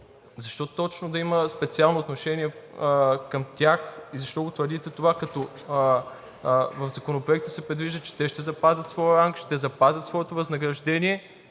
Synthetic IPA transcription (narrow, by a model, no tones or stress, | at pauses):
zɐʃt̪ɔt̪ɔt͡ʃnʊd̪ɐiməspɛt̪sialˠnoːt̪noʃɛniɛ | kɐmt̪ʲaxizɐʃt̪ɔɡot̪vəɾd̪it̪ɛt̪ovakɐt̪ɔ | vɐfzɐkonopɾoɛk̚t̪əsɛpɾɛd̪viʒd̪ət͡ʃɛ̥t̪ɛʃt̪ɛzɐpazʲɐt̪svɔjəɾaŋkʃt̪ɛzɐpazʲɐt̪svɔɛt̪ovɐznɐɡɾɐʒd̪ɛniɛ